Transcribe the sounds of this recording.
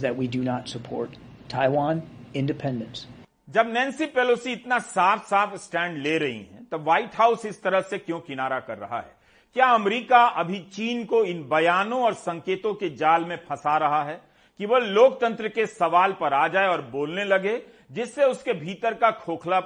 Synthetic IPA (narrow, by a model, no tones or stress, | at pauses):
ðɨt̚widunətsəpʰɔ̰ɹtʰ | aɪwãnɪ̃ndɨpʰɛ̃ndə̃ns | d͡ʒɐbnɛ̃ːnsipeːloːsiɪt̪nasaːfʰsaːfsʈɛ̃ːɳɖleɾɐɦḭɦɛ̰̃t̪ɐʋaːɪʈɦaːʊsɪst̪ɐɾəɦsekjõkɪnaːɾakɐɾːɐ̰ɦa̰ɦɛ̰ː | kjaːɐmɾiːkaʔɐbʱit͡ʃiːnkoɪnbɐjaːnõɔːɾsɐ̃ŋkeːt̪õked͡ʒaːlmẽpʰɐsaɾɐɦaɦɛː | kiʋoloːkt̪ɐ̃nt̪ɾəkesɐʋaːlpɐɾaːd͡ʒaːeɔːɾboːlnelɐɡe | d͡ʒɪsːeʊskebʱiːt̪əɾkakʰoːkʰla